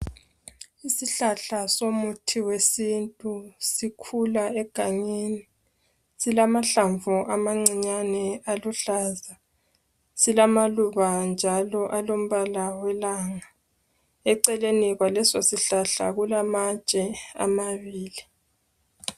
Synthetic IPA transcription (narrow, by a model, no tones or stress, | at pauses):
isiɬaɬasomutʰiwesintʼusikʰulaɛɡ̥ʱaɲini | silamaɬaɱvuʔamaŋ͡ǀiɲanɛaluɬaza | silamaluβand͡ʒʱalɔʔalom̩βalawɛlaŋa | ɛǀɛleniɣwalɛsosiɬaɬa̰ɣulamat͡ʃʼɛa̰maβiːli